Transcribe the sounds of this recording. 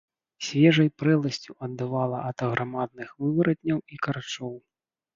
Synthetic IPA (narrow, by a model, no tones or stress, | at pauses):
sʲvʲɛʐɐjpɾɛlˠɐsʲt͡sʲuʔɐd̪ːɨvalˠɐʔɐt̪ɐɣɾʔamad̪nɨxvɨvɐɾɐt̪ʲnʲːɐwikɐɾat͡ʂɔw